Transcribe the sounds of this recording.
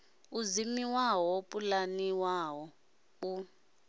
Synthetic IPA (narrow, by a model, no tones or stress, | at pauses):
uzimiwawɔpʼulaniwawɔ | u